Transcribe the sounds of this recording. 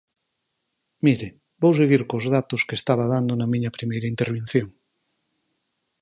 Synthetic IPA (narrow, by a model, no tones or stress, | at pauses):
miɾe | bowseɣiɾkozðat̪oskest̪aβ̞að̞and̪onɐmĩɲɐpɾimejɾɐint̪eɾβ̞ẽn̟θjoŋ